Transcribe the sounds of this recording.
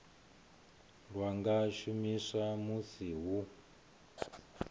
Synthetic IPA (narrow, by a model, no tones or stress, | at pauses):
lwaŋɡaʃumisamusiɦu